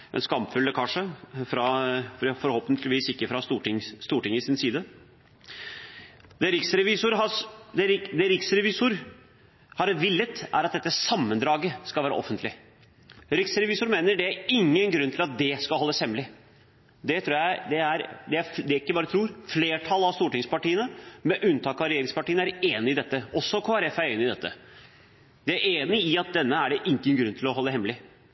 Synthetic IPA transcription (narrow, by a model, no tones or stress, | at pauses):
ʔɛ̰nskɑmpfʉlːəkʰɑnʂəfɾɑffɔɾhoːpənt̪ʰlɪʋiːsɪkːəfɾɑst̪uːʈɪŋst̪uːʈɪŋɪsɪnsiːd̪ə | d̪ɛɾɪksɾɛʋɪsʊɾɑd̪ɛɾɪd̪ɛɾɪksɾɛʋɪsʊɾ | hɑɾʋɪlːət̪ʔæ̰ɾɑt̪̚d̪ɛt̪ːəsɑmːənd̪ɾɑːɡəskɑlæːɾə̰ʔɔ̰fːənt̪ʰlɪ | ɾɪksɾɛʋɪːsʊɾmeːnəɖɛæɾɪŋːənɡɾʉnːt̪ʰɪlɑt̪̚d̪ɛskɑlhɔlːəshɛmːlɪ | d̪ɛt̪ʰɾuːjæɪd̪ɛæɾd̪ɛæd̪ɛæɾɪkːəbɑːɾət̪ʰɾuːɾfleːʈʰɑlɑʋst̪uːʈɪŋspɑʈiːənəmɛʔʉnt̪ʰɑːkɑɾɛjeːɾɪŋspɑʈiːnəæɾeːnɪɪd̪ɛt̪ːəɔsːɔkʰoːæɾɛfæɾeːnɪd̪ɛt̪ːə̰ | d̪̥ɛæɾeːnɪɪɑt̪̚d̪ɛnːəæɖɛʔɪŋːənɡɾʉnːt̪ʰɪlɔɦɔlːd̪əɦɛmlɪ